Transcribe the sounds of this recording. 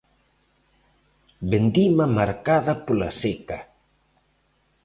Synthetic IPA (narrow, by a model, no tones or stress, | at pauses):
bend̪imamaɾkaðapola̰seka